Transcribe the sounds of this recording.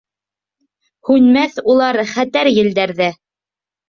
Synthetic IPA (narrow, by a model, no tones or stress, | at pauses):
hʉnmæθulˠɑɾχæt̪æɾjɘ̆ld̪æɾðæ